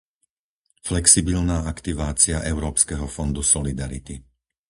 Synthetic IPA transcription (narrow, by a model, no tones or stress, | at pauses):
flɛksibilnaːakt̪iʋaːt͡siaʔɛʊɾɔːpskɛɦɔfɔnd̪usɔlid̪aɾḭt̪i